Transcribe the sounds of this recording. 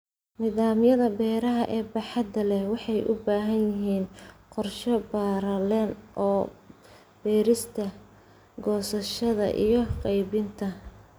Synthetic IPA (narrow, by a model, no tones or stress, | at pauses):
nɪðaːmjɐðɐbɛːɾɐɦɐʔɛːbɑħɑd̪ɐlɛwɑħɑjʔʊ̰baːɦɐnjɪɦiːnqɔrʃɔbaːɾɐlɛnʔɔː | b̥ɛːɾɪst̪ʰɐ | ɡɔːsɐʃɐðɐ̰ʔḭjɞqɑjbɪnt̪ʰɐ